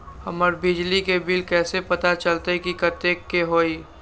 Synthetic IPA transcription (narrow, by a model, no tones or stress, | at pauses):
həməɾbɪd͡ʒlikebɪlkɛːsepɐt̪at͡ʃəlt̪ekikət̪eːkːeɦoːi